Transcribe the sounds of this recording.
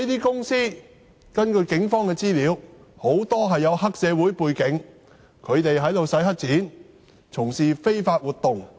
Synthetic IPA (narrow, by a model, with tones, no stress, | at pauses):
i˥t̪iː˥kʊ˥ŋsiː˥ | kɐ˥nkɵ˧ɥkɪ˨˥ŋfɔː˥ŋkɛː˧t͡siː˥liː˨˥w | ho˨˥wt̪ɔː˥ɦɐ˨jːɐ˨˧wɦɐ˥k̚sɛː˨˧wuː˨˥jpuː˧jkɪ˨˥ŋ | kʰɵ˨˧ɥt̪e˨jɦɐ˨˥jlo˨wsɐ˨˥jɦɐ˥t̚t͡siː˨˥n | t͡sʰʊ˨˩ŋsiː˨fe˥jfaː˧t̚wuː˨t̪ʊ˨ŋ